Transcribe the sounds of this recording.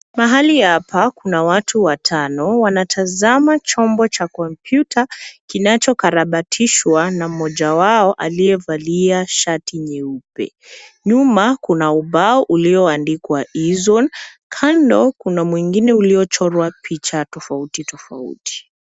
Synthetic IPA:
maɦalihapʰakunawatʰuwatʰanɔwanatʰazamat͡ʃɔmbɔt͡ʃakɔmpʰjutʰakinat͡ʃɔkaɾaɓatʰiʃwanam̩mɔʄawaɔʔaliɛvaliaʃatiɲɛupɛ̰ | ɲumakunauɓaɔʔuliɔandikwaʔizɔn | kʰandɔkunamwiŋɡinɛuliɔt͡ʃɔɾwapʰit͡ʃatɔfautitɔfa̰ṵti̥

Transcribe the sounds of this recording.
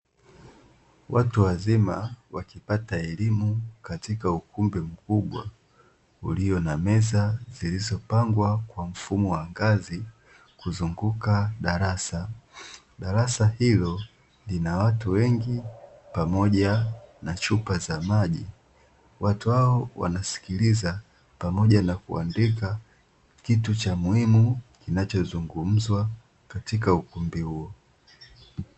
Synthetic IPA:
wʔatuwazimawakipataɛlimukatikaukumbɛm̩kuɓwa̰ | ṵlijɔnamɛzazilizɔpaŋɡwakwam̩fumɔwaŋɡazi | kuzuŋɡukaɗaɾasa | ɗaɾasahilɔ | linawatuwɛŋɡipamɔʄanat͡ʃupazamaʄḭ | watuhaɔwa̰nasi̥kiliza | pamɔʄanakṵa̰ndika | kitut͡ʃamuhimukinat͡ʃɔzuŋɡum̩zwa | katikaukumbihuɔ

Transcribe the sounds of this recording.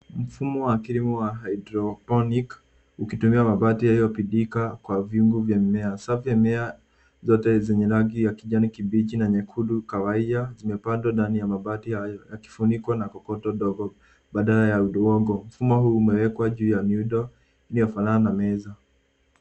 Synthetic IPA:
m̩fumɔwakiɾimuwaɦaidɾɔpɔnik | ukitumiamaɓatihaijɔpiɗikakwaviuŋɡuvjamɛasavɛmɛa | zɔtɛzɛɲɛlaɡijakiʄanikibit͡ʃinaɲɛkʰuɗukawaiazimɛpandwandanijamaɓatihajɔjaki̥funikwanakɔkɔtɔɗɔɡɔ | ɓaɗalajauɗɔwɔɡɔm̩fumɔɦuːmɛwɛkwaʄuːjanuɗɔ | iniɔfalaanamɛza

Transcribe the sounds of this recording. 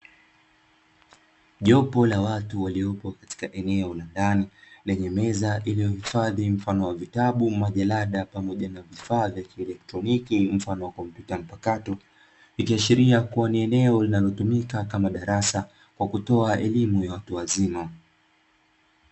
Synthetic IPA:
ʄɔpɔlawatuwaliɔpɔkḁti̥kaʔɛnɛɔlandanilɛɲɛmɛzaʔilijɔhifaðim̩fanɔwavitaɓumaʄalaɗapamɔʄanavifaːvjakiɛlɛk̚tɾɔnikim̩fanɔwakɔmpjutam̩pakatɔ | ikiaʃiɾiakuwaniɛnɛɔlinalɔtumikakamaɗaɾasa | kwakutɔaɛlimujawatuwazima

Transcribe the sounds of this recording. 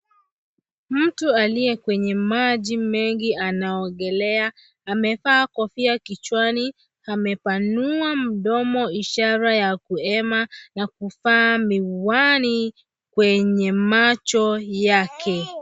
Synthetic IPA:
m̩tualijɛkwɛɲɛmaʄimɛŋɡianaɔɡɛlɛa | amɛfaːkɔfiakit͡ʃwani | hamɛpanuam̩ɗɔmɔiʃaɾajakuɛmanakufamiwani | kwɛɲɛmat͡ʃɔjakʰɛ

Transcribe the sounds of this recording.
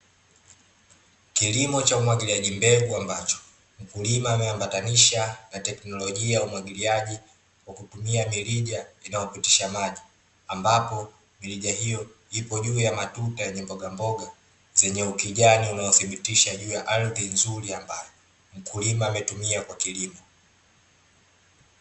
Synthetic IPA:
kilimɔt͡ʃaumwaɡiliaʄimbɛɡuambat͡ʃɔ̥ | m̩kulimaːmɛambataniʃanatɛknɔlɔʄiaaumwaɠiliaʄi | kwakutumiamiliʄainaɔpiti̥ʃamaʄi | ambapɔ | miliʄahijɔ | ipɔʄuːjamatutajɛɲɛmbɔɡambɔɡa | zɛɲɛukiʄaniunaɔθibitiʃaʄuːjaʔalðinzuɾiambajɔ | m̩kulimaːmɛtumiakwakilimɔ

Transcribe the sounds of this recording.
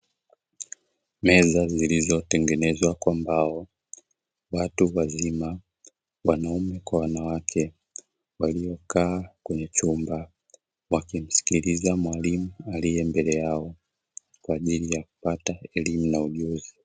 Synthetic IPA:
mɛzazilizɔtɛŋɡɛnɛzwakwambaɔ | watuwazima | wanaumɛkwawanawakʰɛ | waliɔkaːkwɛɲɛt͡ʃumba | wakim̩si̥kilizamwalimualijɛmbɛlɛjaɔ | kwaːʄilijaku̥pataɛlimunauʄuzi

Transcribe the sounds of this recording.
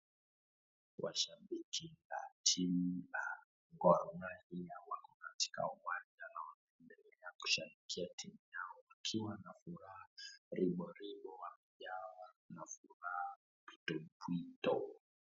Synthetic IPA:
wʔa̰ʃabikia̰tʰia | ŋɡɔɾɔnaɾijawakɔnati̥ka̰uwand͡ʒanawanaɛndɛlɛaku̥ʃamikʰiatʰimijaɔwakʰiwanafuɾaaɾiɓɔɾiɓɔwam̩ʄawanafuɾaa | pi̥tɔmpwitɔ

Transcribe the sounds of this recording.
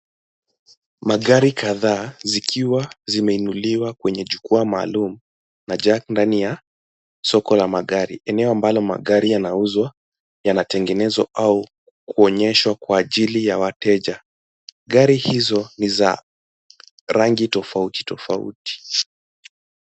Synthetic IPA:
maɠaɾikaðaːzikʰiwazimɛinuliwakwɛɲɛʄukuamaːlumu | naʄandanija | sɔkɔlamaɠaɾḭʔɛnɛɔambalɔma̰ɠaɾijanauzwa | janatɛŋɡɛnɛzwa̰ʔau | kuɔɲɛʃwakwaːʄilijawatɛʄa | ɡaɾihizɔniza̰ | ɾaŋɡitɔfauti̥tɔfaṵti̥

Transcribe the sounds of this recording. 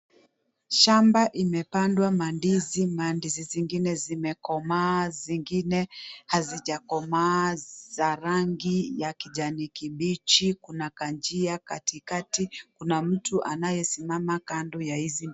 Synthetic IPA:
ʃambaʔimɛpandwamandizimandiziziŋɡinɛzimɛkɔmaːziŋɡinɛhaziʄakɔmazaɾaŋɡijakiʄanikiɓit͡ʃikunakand͡ʒiakatikatikunam̩tuʔanajɛsimamakandɔjahizi

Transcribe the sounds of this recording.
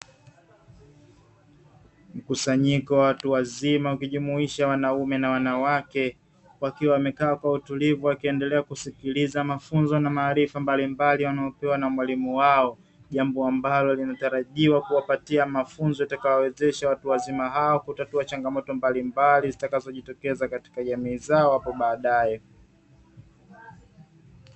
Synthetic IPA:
m̩kusaɲikɔwawatuwazimaukiʄumuiʃawanaumɛnawanawakɛ | wakiwawːmɛkaːkwautulivuwakiɛndɛlɛakusikilizamafunzɔnamaːɾifambalimbaliwanaɔpɛwanamwalimuwaɔ | ʄambɔambalɔlinataɾaʄiwakuwapatiamafunzɔjatakawawɛzɛʃawatuwazimaɦaɔkutatuat͡ʃaŋɡamɔtɔmbalimbalizitakazɔʄitɔkɛzakati̥kaʄamiːzaɔhapɔɓaːɗajɛ

